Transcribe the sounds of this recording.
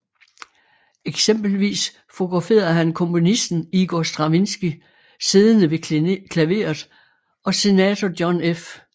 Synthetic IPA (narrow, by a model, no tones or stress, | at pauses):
eɡ̥semb̥l̩ʋḭːs | fo̝ɡ̥ʁɑ̈fe̝̰ːɐɐɦænkʰɔ̽mpʰo̝nisd̥n̩iɡ̥ɒːsd̥ʁɑ̈ʋinsɡ̥i | siːðˠənəʋe̝kʰlæʋe̝̰ːɐðˠ | ɒ̽se̝nɛːt͡sʰɒdjɒnef